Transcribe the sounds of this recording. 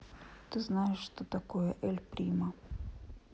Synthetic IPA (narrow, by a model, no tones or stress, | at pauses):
t̪ɨznajɛʃːt̪ɔt̪akɔjɛʔɛlʲpɾʲima